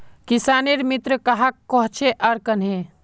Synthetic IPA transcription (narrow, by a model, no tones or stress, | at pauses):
kisaneɾmit̪ɾəkəɦakːɔɦt͡ʃʰeʔəɾkənɦe